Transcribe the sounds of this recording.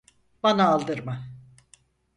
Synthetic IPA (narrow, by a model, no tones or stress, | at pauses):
banaːlˠd̪ɯɾma